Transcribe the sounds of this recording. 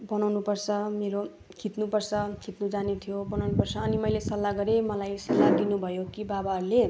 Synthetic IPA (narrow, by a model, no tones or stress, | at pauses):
bʌnawnupʌrt͡sʰʌmeɾo | kʰit̪nupʌrt͡sʰʌkʰit̪nud͡zanit̪ʰijobʌnawnupʌrt͡sʰʌːnimʌjlesʌlːaɡʌɾemʌlajsʌlːad̪inubʱʌjokibabaɦʌɾule